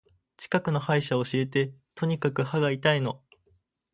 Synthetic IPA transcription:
t͡ɕi̥kakɯ̟no̞haiɕaoɕie̞t̪e̞t̪ʰo̞ɲ̟ikakɯ̟haɡait̪aino̞

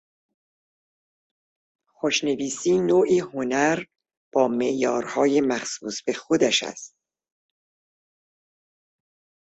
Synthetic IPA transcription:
xoʃne̞viːsiːnoːʔiːho̞næɾ | b̥ɒːme̞ʔjɒːɾhɒːje̞mæxsṵːsb̥e̞xod̪æʃæ̰st̪̚

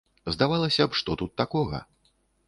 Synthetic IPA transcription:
zd̪avalˠɐsʲɐpʂt̪ɔt̪ut̪ːakɔɣɐ̰

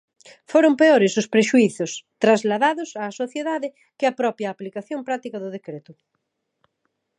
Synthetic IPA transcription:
foɾʊmpeoɾɪsʊspɾeʃuiθʊst̪ɾazlaðaðʊsaːsoθjeðaðɪ | kɪɐpɾɔpjaːplikaθjompɾak̚t̪ikɐðʊðekɾet̪ʊ

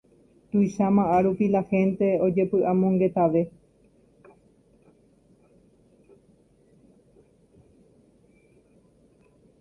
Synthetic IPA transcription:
t̪ujʃamãʔaɾupilahẽ̞nt̪e̞o̞d͡ʒe̞pɨʔamõŋɡe̞t̪aʋe̞

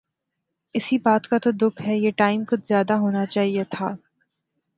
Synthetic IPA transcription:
ɪsibaːt̪kat̪od̪ʊkʰɦɛjeʈaːɪmkʊt̪ʰzjaːd̪aɦoːnat͡ʃaːɦiet̪ʰaː

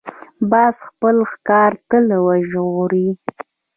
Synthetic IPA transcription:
bɑsxpəlxkɑɾt̪əlwaʒɣɾi

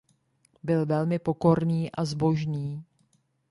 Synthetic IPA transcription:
bɪlvɛlmɪpo̞ko̞ɾniːʔazbo̞ʒniː

